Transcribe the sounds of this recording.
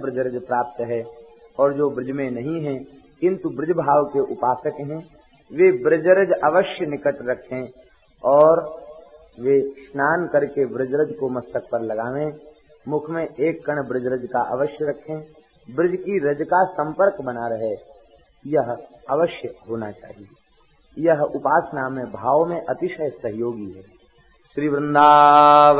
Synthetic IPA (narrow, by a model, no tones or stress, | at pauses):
bɾɪd͡ʒɾəd͡ʒpɾaːp̚t̪ɦɛ | ɔːɾd͡ʒoːbɾɪd͡ʒmẽnɐɦĩɦɛ̃ | kɪ̃nt̪ubɾɪd͡ʒbʱaːʋkeʔʊpaːsəkɦɛ̃ː | ʋebɾɪd͡ʒɾəd͡ʒəʋəʃjənɪkəʈɾɐkʰẽ | ɔːɾ | ʋeʃnaːnkəɾkebɾɪd͡ʒɾəd͡ʒkomɐst̪ək̚pəɾlɐɡaːʋẽ | mʊkʰmẽʔeːkːəɳ̃bɾɪd͡ʒɾəd͡ʒkaʔə̰ʋəʃjəɾɐkʰẽ | bɾɪd͡ʒkiɾəd͡ʒkasə̃mpəɾkbənaɾəɦe | jəɦəʋəʃjəɦoːnat͡ʃa̰ːɦije | jəɦʊpaːsnaːmẽbʱaːʋmẽʔɐt̪ɪʃəjsəɦjoːɡiɦɛː | ʃɾiːbɾɪ̃nd̪aː